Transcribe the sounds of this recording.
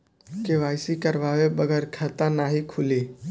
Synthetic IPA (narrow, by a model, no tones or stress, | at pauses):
keʋaːɪsikəɾʋaːwebəɡəɾkʰət̪anaɦikʰʊli